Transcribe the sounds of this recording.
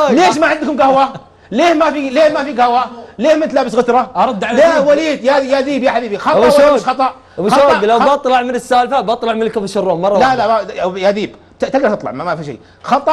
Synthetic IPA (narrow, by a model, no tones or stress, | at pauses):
leːʃmaʕɪnd̪kʊmɡahwa | leːhmafileːhmafiɡahwaleːhmɪnt̪laːbɪsɣʊt̪ɾˤɑʔɑɾˤɑd̪ːʕalawaliːd̪jajaðiːbjaħabiːbixɑtbɑʃwoːxɑt̪ˤɑʔ | bɪʃoːɡlawbɑt̪ˤlɑʕmɪnɪsːaːlfabɑt̪ˤlɑʕmɪnlkafaʃʊrːoːmmːɑrˤːɑlalajaðiːb | t̪t̪ɪɡdɑt̪ɨt̪ˤlɑʕmamafiʃḛjː | xɑt̪ˤɑ